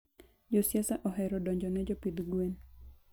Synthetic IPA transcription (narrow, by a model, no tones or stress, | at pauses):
d͡ʒosjasaʔɔɦɛɾɔdɔɲd͡ʒɔnɛd͡ʒɔpid̪ɡwen